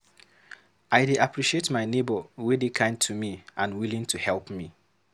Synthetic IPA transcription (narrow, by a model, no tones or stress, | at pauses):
aɪdeʔapʰɹiʃietmaɪnebəwedekʰãɪ̃ntʰumiʔãnwilĩŋtʰuhɛlˠpmi